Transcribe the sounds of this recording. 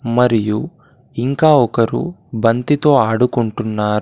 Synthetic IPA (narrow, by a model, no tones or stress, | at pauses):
mɐɾijuiŋkaːɔkɐɾṵbɐnt̪it̪o̞ːaːɽukuɳʈunːaːɾu